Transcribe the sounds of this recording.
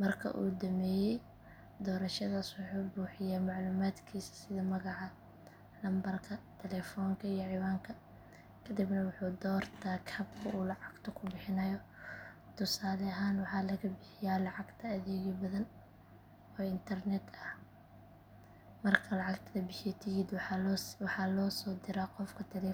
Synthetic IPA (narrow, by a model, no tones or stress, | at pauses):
mɐrkʰɐ̰ʔṵːd̪ɐmɛːjɛj | d̪ɔːɾɐʃɐðaːswʊħuːbuːħɪjaːmɑʕluːmaːd̪kʰiːsɐ̥sɪðɐmɐɣɑʕɑ | lɐmbɐrkʰɐt̪ʰɛlɛfɔːŋkʰɐijɔʕɪwaːŋkʰɐ | kʰɐd̪ɪbnɐwʊħuːd̪ɔːrt̪ʰaːkʰɐːbkʰʊuːlɑʕɑɡ̥t̪ʰɐkʰʊbɪħɪnɐjɔ | t̪ʰʊsaːlɛɐɦaːnwɑħɑːlɐɣɐbɪħɪjaːlɑʕɑɡt̪ʰɐːðɛːɣɪbɐðɐn | ɔːɪnt̪ʰɐrnɛd̪ɐh | mɐrkʰɐlɑʕɑɡt̪ʰɐðɐbɪħɪjɛt̪ʰɪjid̪wɑħɑːlɔːsɔːd̪ɪɾaqɔfkʰɐt̪ʰɛlɛ